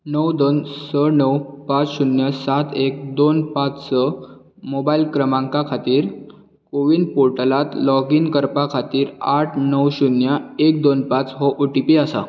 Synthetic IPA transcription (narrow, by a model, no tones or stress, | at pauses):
nəwd̪onsənəwpat͡sɕunjəsat̪ʰek̚d̪onpat͡ssə | mobailkɾəmãŋkakʰat̪iːɾ | koʋiːnpoɾʈəlat̪lɔɡinkəɾpakʰat̪iːɾaʈʰnəwɕunjaek̚d̪onpat͡sɦɔʔoʈipiasa̰